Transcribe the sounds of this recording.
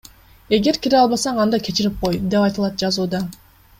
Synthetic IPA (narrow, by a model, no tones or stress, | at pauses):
e̞ɡe̞ɾkʲiɾeɑlˠβɑsɑɴɑnd̪ɑkʲʰe̞t͡ʃiɾip̚qo̞jd̪e̞pɑjt̪ɯlˠɑt̪̚d͡ʒɑzuːd̪ɑ